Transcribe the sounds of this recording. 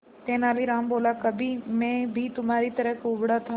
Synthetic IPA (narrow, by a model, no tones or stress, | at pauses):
t̪ẽːnaːliɾaːmboːlakɐbʱimẽːbʱit̪ʊmaːɾit̪ɐɾəkʊːbɽat̪ʰa